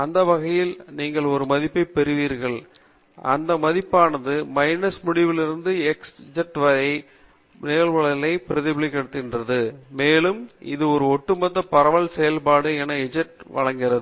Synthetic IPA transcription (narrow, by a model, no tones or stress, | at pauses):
ɐnd̪ɐʋɐɣɐjɪlniːŋɡɐɭɔɾɯmɐðɪpːɐɪpɛɾɯʋiːɾɣɐɭ | ɐ̰nd̪ɐmɐðɪpːaːnɐðɯmɐɪnɐsmʊɽɪʋɪlɪɾɯnd̪ɯɛksd͡ʒɐʈʋɐɾɐɪ | neːɭʋɐɭɐlɐɪpɪɾɐðɪbɪɭɪkːɐɽɯt̪ːɪɣɪndrɐðɯmeːlɯmɪ̰ðɯɔɾɯɔʈːɯmɐðːɐpɐɾɐʋɐɭsɛjɐlpaːɽɯɛnɐɪd͡ʒɐʈʋɐ̰ɻɐŋɡɪrɐðɯ